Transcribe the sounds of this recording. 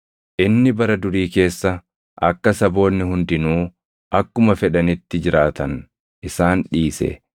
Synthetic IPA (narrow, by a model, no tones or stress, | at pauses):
ʔɪnːɪbɐɾɐd̪ʊɾiːke̞ːsːɐ | ʔɐ̰kːɐsɐbo̞ːnːɪhʊnd̪ɪnuː | ʔɐkːʊmɐfɛᶑɐnɪt̪ːɪd͡ʒɪɾaːt̪ɐn | ʔɪsaːnᶑiːsɛ̰